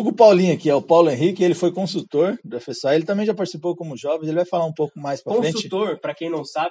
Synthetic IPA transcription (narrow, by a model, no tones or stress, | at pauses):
oɡʊpawlĩɐkiɛʊpawlʊẽɦikɪelɪfojkõsut̪oɾd̪ʊefesaelɪt̪ɐ̃mẽj̃ʒapaɾt͡ʃisipowkõmʊʒɔvẽzelɪvajfalaɾũpowkʊmajspɾɐkõsẽut͡ʃɪt̪oɾpɾɐkẽj̃nɐ̃w̃sabɪ